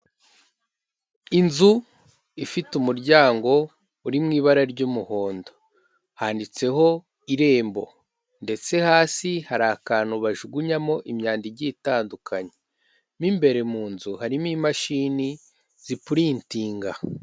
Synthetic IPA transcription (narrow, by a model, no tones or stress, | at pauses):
inzu | ifitumuɾɟaːŋɡo̞ | uɾimŋiːβaɾaɾɟumuho̞ːndo | haːndit͡se̞ɦo̞ | iɾe̞ːmbo̞̰ | nde̞t͡se̞haːsihaɾaːkaːnuβaʒuɡuɲamo̞ʔimɲaːndiɟiːtaːndukʰaɲe | miːmbe̞ɾe̞muːnzuhaɾimiːmaʃiːni | z̥ipuɾiːntiːŋɡa